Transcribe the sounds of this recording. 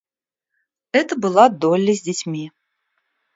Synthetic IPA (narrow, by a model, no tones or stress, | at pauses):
ɛt̪əbɨlˠad̪ɔlʲːɐzʲdʲɪt͡sʲmʲi